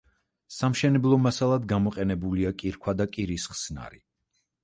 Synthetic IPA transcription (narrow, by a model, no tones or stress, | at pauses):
samʃɛnɛblˠɔmasalˠad̪ɡamɔqʼɛnɛbuliakʼiɾkʰwad̪akʼiɾisχsna̰ɾi